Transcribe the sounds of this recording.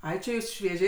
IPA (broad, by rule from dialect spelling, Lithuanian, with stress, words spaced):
ˈɐɪ t͡ʃʲɪ ˈjuːs ʃʲʋʲiɛˈʒʲɛɪ